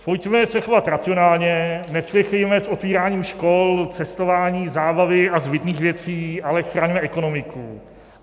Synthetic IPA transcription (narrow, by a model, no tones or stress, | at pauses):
pojcmɛsɛxo̞vat̪ɾat͡sɪonaːlɲɛnɛslɛxɛjmɛso̞t̪viːɾaːɲiːmʃko̞lt͡sɛst̪o̞vaːɲiːzaːbavɪazbɪt̪niːxvjɛt͡siːʔalɛxɾaːɲmɛʔɛko̞no̞mɪkṵ